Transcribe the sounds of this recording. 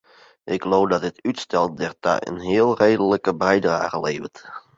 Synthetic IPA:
ʔɪɡɡloːfdɑd̚ɪtytstɛl̚ˠdɛrta̰ə̰nɦɪːlˠrejdələkəbɛjdra̰ːχəleːvət

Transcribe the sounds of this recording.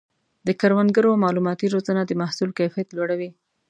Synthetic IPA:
d̪əkaɾwand̪ɡəɾomɑlumɑt̪iɾozanad̪əmahsulkajfijat̪lwaɽawi

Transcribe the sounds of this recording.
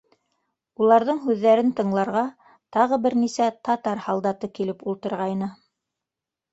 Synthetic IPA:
ulˠɑɾðɤɴɦʉðːæɾɘnt̪ɤ̆ɴlˠɑɾʁɑ | t̪ɑʁɤbɘɾnisæt̪ɑt̪ɑɾhɑlˠd̪ɑt̪ɤkilɘpulˠt̪ɤ̆ɾʁɑjnɤ

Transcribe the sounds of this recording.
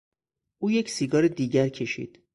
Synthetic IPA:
ʔuːje̞csiːɡɒːɾed̪iːɟæɾcʰe̞ʃḭːd̪̥

